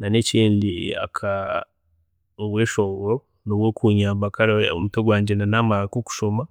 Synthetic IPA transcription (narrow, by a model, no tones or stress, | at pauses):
naneciːndia̰kʰa | oβweʃoɡo | noβwokʰuːɲaːmbakaɾaomutoɡwaːɲɟenanamalakoku̥ʃoma